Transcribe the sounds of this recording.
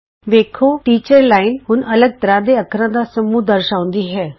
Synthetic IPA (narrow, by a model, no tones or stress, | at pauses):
ʋeːkʰoːʈiːt͡ʃəɾlaːɪnɦʊnʔələɡ̚t̪əɾãːd̪eːəkʰɾãːd̪aːsəmũːd̪əɾʃaːʊ̃nd̪iːɦɛː